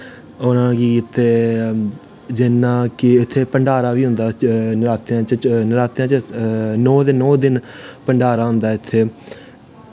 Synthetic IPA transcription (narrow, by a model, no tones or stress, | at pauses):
ʊnãːkiːɪt̪ʰːeː | d͡ʒɪnːãːkɪɪt̪ʰːeːpəɳɖaːɾaːʋiːɦʊ̃nd̪aːnɪɾaːt̪jãːt͡ʃənɪɾaːt̪jãːt͡ʃənɔːd̪ɪnːɔːd̪ɪnpəɳɖaːɾaːɦʊ̃nd̪aːɪt̪ʰːeː